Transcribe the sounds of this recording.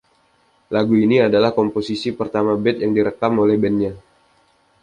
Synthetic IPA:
laɡuiniadalahkomposisipərt̪amabɛt̪̚jaŋdiɾəkamolɛhbɛnɲa

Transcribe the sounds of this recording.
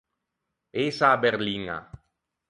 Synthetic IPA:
esabeɾliŋa̰

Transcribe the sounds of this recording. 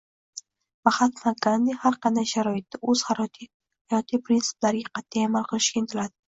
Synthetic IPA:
vaχat̪faɡand̪ihaɾqʰɑnd̪ajʃaɾɒjɪt̪ːaɵz̥haɾɒt̪ʰi | hajɒt̪ʰijpɾinsɪ̥blaɾɪɡʲaqʰɑt̪ʰːajamalˠqɨlˠɪʃkʲaent̪ʰɪlad̪ɪ̥

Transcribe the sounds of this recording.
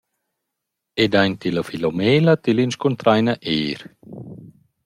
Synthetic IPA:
ed̪ajɲt̪iləfilomeːlət̪ilinskunt̪ɾajnəʔeːɾ

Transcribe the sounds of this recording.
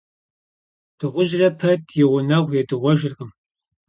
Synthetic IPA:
d̥ɨʁʷʊʒrɐpʰɐtʰjɪʁʷʊnɐʁʷjɛdɨʁʷɔʒɪrʁəm

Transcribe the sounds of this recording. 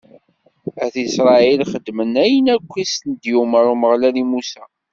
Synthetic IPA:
æθisɾˤɑilχəd̪ːmənæjənækʷːisnd̪juməɾˤuməʁlælimusæ

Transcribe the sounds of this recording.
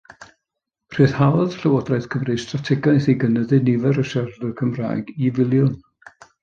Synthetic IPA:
r̥ɨːðhawˠðɬəwɔdrajθkʰəmrɨstratʰɛɡajθiɡənəðɨnivɛɾəʃɛrðɨkʰəmra̰ːjɡivɪlˠjʊn

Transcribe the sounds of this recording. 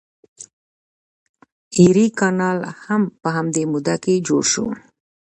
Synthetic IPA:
iɾikɑnɑlhampəɦamd̪emud̪aked͡ʒo̰ɽʃṵ

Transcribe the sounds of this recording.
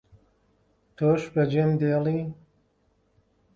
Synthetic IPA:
t̪ʰoːʃbɐd͡ʒeːmd̪eːliː

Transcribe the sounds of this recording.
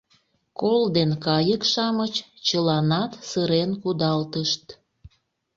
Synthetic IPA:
kold̪enkɑjəkʃɑmət͡ɕt͡ɕəlɑnɑt̪səɾenkud̪ɑlt̪əʃt̪

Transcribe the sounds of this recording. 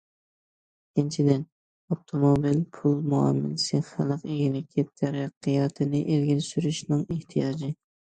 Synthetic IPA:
kʰʲint͡ʃʰid̪ɪn | op̚t̪ʰomobilpʰulˠmuɑ̰mːɪ̰lsɨχəlˠəqeɡʲilɪkʲʰːɛt̪ʰːæɾɨqʰːijɑt̪ʰɪnɪʔelɡʲilsyɾyʃnɨŋeht̪ʰijɑːd͡ʒɪ

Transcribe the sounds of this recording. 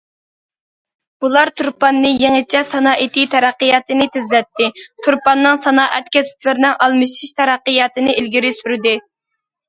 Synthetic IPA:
b̥ulˠɑɾt̪ʰuɾpɑnːɨjeŋɨt͡ʃʰɛsɑnɑːʔit̪it̪ʰɛɾæqːɨjɑt̪ɨnɪt̪ʰɪzlɛt̪ʰːɪt̪ʰuɾpɑnːɨŋsɑnɑːʔɛt̪kʲʰɛsɪ̥pʲlɪɾnɪŋʔɑlˠmɨʃiʃt̪ʰɛɾæqːɨjɑːt̪ɨnɨʔilɡʲiɾɪsyɾɪd̪ɪ

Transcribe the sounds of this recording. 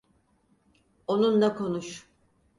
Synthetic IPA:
onunlakʰo̞nuʃ

